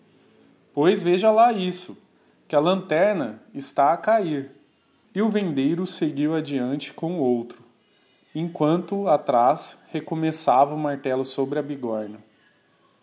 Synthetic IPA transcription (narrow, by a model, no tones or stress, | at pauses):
pojzveʒɐlaisʊ | kɪɐlɐ̃nt̪ɛɾnɐɪst̪aːkaiɾ | ɪʊvẽnd̪ejɾʊseɡiwad͡ʒiɐ̃nt͡ʃɪ̥kõowt̪ɾʊ | ẽŋkwɐ̃nt̪ʊat̪ɾashekomesavɐʊmaɾt̪ɛlʊsobɾɪɐbiɡɔɾnɐ